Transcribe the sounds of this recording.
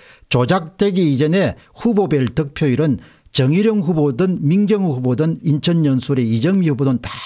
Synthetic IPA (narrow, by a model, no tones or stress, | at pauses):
t͡ɕod͡ʑak̚t͈eɡiid͡ʑʌneɸubobeɭtɯk̚pʰjoiɾɯn | t͡ɕʌŋiɾjʌŋɸubodɯnminɡjʌŋɯhubodɯnint͡ɕʰʌnːɲʌnsʰoɾeid͡ʑʌŋmiubodɯntḁ